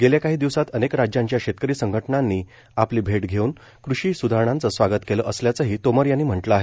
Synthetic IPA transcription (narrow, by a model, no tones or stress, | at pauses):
ɡeljakaɦiːd̪iʋsat̪ənekɾad͡ʑjãɲt͡ɕjaɕet̪̚kəɾiːsəŋɡʱəʈnanːiː | apliːbʱeʈɡʱeuːn | kɾuɕiːsud̪ʱaɾəɳãnt͡səsʋaɡət̪keləʔəsljat͡səɦiːt̪oməɾjanːiːm̤əʈləaɦe